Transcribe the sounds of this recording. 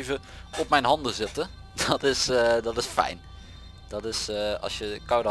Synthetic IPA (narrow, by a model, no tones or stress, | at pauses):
və | ɔp̚mɛjnɦɑndəzɪtə | d̥ɔtɪsdɔtɪsfɛ̰jn | d̥ɔtɪsɑ̰sjəkawdə